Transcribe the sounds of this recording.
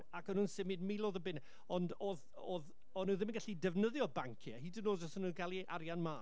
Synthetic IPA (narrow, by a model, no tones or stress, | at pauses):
akənuːnsɪmiːdmilˠoːðəbɪn | ɔndoð | oːð | ɔnuðɪmənŋɡaɬidɛvnəðjɔbaŋkʰiahiːdɪnoːzɔsənuɡalˠiʔa̰ɾjanmaː